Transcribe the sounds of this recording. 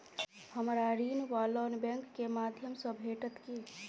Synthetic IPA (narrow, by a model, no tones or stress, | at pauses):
həmɾaɾinʋalɔnbɛŋkːemad̪ʱjəmsə̃bʱeʈət̪ki